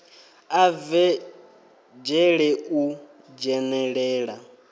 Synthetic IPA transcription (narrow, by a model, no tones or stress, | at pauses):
avɛ | d͡ʒɛɺɛu | d͡ʒɛnɛɺɛːɺa